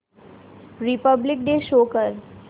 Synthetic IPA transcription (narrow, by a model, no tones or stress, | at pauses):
ɾɪpəblɪk̚ɖeːʃoːkəɾ